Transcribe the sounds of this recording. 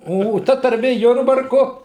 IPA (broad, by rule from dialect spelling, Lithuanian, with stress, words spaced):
oː oː ˈtɐ tɐrʲˈmʲeː ˈjʊrbɐrkʊ